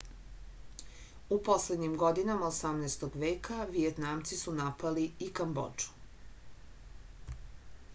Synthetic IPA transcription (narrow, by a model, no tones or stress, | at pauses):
upo̞sled̪ɲimɡo̞d̪inamaosamnɛːst̪oɡʋe̞ːkʰaʋijet̪naːmt̪sisunapaliikambo̰d͡ʒu̥